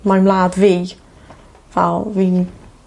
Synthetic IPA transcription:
majmlaːdvi | valˠvin

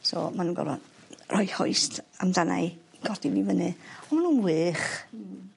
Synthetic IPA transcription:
sɔ̰manuːnɡɔ̰lvɔ̰nrʔɔjhɔ̰ɨstʰamdana̰jɡ̥ɔd̥ivivənɨɔmanuːnwɨːχ

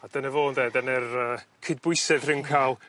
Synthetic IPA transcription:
ad̥ənɛvoːndeːdənɛrəːkʰɪd̚bʊjsɛðrɪnkʰaːlˠ

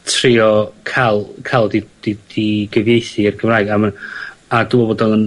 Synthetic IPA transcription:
tʰriɔkʰalˠkʰalˠdid̥id̥iɡ̥əvjejθirɡəmraːɨɡamanaduːɔbodɔnˠən

